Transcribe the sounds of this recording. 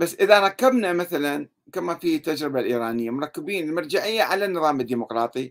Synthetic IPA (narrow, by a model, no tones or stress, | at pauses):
basːʔɪðaɾˤɑkːabnamaθalan | kamafiːt̪ːad͡ʒɾɪbalʔiːɾaːnɪjːamʊɾˤɑkːɪbiːnɪlmɑɾˤd͡ʒaʕɪjːaʕalanːɨðˤɑːmɪd̪ːiːmʊqɾˤɑːt̪ˤi